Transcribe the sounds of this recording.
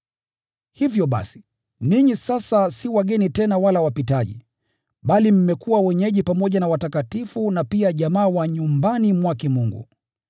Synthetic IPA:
hivjɔɓa̰si̥ | niɲisasasiwaɠɛnitɛnawalawapitaʄḭ | ɓalim̩mɛkuwawɛɲɛʄipamɔʄanawatakatifunapiaʄamaːwaɲumbanimwakɛmuŋɡṵ

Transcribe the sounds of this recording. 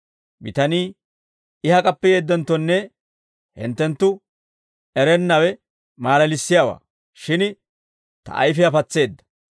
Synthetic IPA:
mɪ̰t̪ɐniː | ɪhɐkʼɐpːɛjeːd̪ːɛnt̪ːɔnːɛ | hɪ̰nt̪ːɛnt̪ːʊ | ɛɾɛnːɐwɛ | maːlɐlɪsːɪjawa̰ː | ʃɪn | t̪ɐ̰ʔɐ̰jfɪɐfɐt͡sːe̞ːd̪ːɐ̥

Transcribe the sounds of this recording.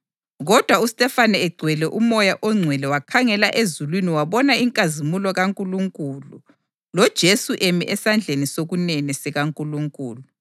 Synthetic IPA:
ɣɔd̥ʱwaustʼɛfanɛɛɡ͡ǀʱwɛlɛʔumɔjaʔɔŋ͡ǀʱwɛlɛwakʰaŋɛlaʔezulwiniwaβɔnaiŋkʼazimulɔɣaŋkʼuluŋkʼulu | lɔd̥ʒ̥ʱesuʔemḭʔɛsand͡ɮʱenisoɣunɛnɛsɛɣaŋkʼuluŋkʼuːlu

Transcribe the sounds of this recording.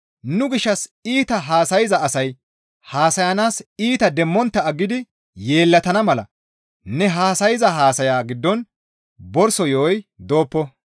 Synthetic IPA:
nʊɡɪʃːɐsiːt̪ɐɦaːsɐjɪzɐːsɐj | haːsɐjɐnaːsiːt̪ɐd̪ɛmːɔnt̪ːɐɐɡːɪd̪ɪ | je̞ːlːɐt̪ɐnɐmɐlɐ̰ | nɛɦaːsɐjɪzɐɦaːsɐjaːɡɪd̪ːɔn | bɔɾsɔjoːjd̪o̞ːpːɔ

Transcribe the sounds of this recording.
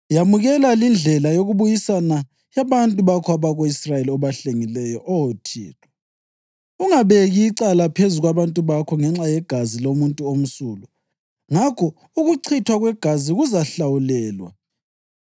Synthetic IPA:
jamuɣɛlalind͡ɮʱɛlajoɣuβujisana | jaβantʼuβakʰɔaβaɣoisrajeliɔβaɬeŋilɛjɔʔɔwotʰḭːtʰwɔ̥ | uŋaβeɣiːǀalapʰezuɣwaβantʼuβakʰɔŋɛŋ͡ǁajɛɡ̥ʱazilomuntʼuom̩suːlu | ŋakʰɔ | uɣuǀʰitʰwaɣwɛɡ̥ʱaziɣuzaɬawulɛːlwa̰

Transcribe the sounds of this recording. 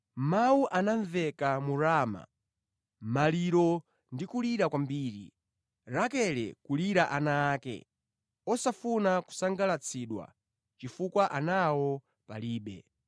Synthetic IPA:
mawuʔanaɱvɛkamuɾaːma̰ | maliɾɔ | ndikuliɾakwambiːɾḭ | ɾakɛlɛ̰kuliɾaʔanaːkɛ̰ | ɔsafunaku̥saŋɡalat͡sʰiɗwa̰ | t͡ʃifukwaʔanawɔ | paliːɓɛ̰

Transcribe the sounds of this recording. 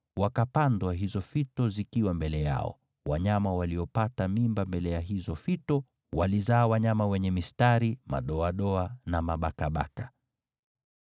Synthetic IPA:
wakapandwaɦizɔfitɔzikiwambɛlɛja̰ɔ̰ | wa̰ɲamawaliɔpatamimbambɛlɛjaɦizɔfitɔ | walizaːwaɲamawɛɲɛmistaɾima̰ɗɔaɗɔanamaɓakaɓa̰kḁ

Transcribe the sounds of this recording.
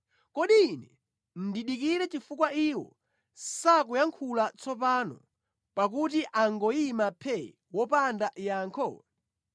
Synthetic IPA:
kɔɗiːnɛ | n̩diɗik̬iɾɛt͡ʃifukwaiwɔ̰ | sakujaŋkʰulat͡sʰɔpaːnɔ̰ | pak̬utiʔaŋɡɔimapʰɛ | wɔpandaʔjaːŋkʰɔ̰

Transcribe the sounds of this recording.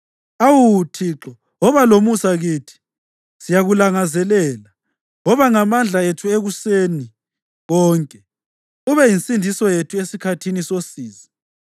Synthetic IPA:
awutʰiǁɔ | ɔβalomusaɣiːtʰi̥ | sijaɣulaŋazɛlɛːla | ɔβaŋamand͡ɮʱaetʰueɣuseni | ɣɔːŋkʼɛ | uβɛjinsʼindʱisɔjetʰuesikʰatʰinisosiːzi

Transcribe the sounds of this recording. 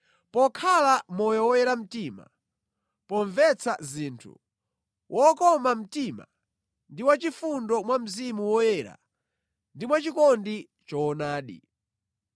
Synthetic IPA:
pɔkʰalamɔjɔwɔjɛɾam̩tima̰ | pɔɱvɛt͡sʰaziːntʰṵ | wʔɔkɔmam̩tima̰ | ndiwat͡ʃifundɔmwam̩zimuwɔjɛɾa̰ | ndimwat͡ʃikɔndi | t͡ʃɔːnaːɗḭ

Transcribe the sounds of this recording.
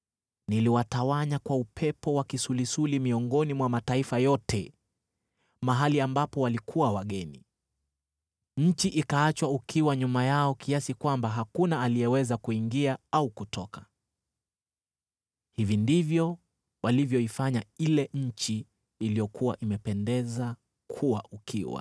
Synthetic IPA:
niliwatawaɲakwaupʰɛpɔwakisulisulimiɔŋɡɔnimwamataifajɔtʰɛ | maɦaliambapɔwalikʰuwawaɠɛnḭ | ɲ̩t͡ʃiʔikaat͡ʃwaukʰiwaɲumajaɔkʰiasikwambaɦakunaːliɛwɛzakuiŋɡiaaukutʰɔkḁ | hivindivjɔ | walivjɔifaɲailɛɲ̩t͡ʃiː | lijɔkʰuwa̰ʔimɛpɛndɛza | kʰuwa̰ʔukʰḭwa̰

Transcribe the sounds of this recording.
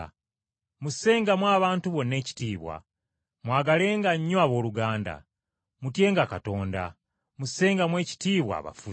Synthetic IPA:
muse̞ːŋɡamwaːβaːntuβo̞nːe̞ːci̥tiːβwa̰ | mwaːɡale̞ːŋɡaɲːwaβo̞ːluɡaːnda̰ | mutje̞ːŋɡakato̞ːnda̰ | musːe̞ːŋɡamwe̞ːci̥tiːβwa̰ːβa̰fu

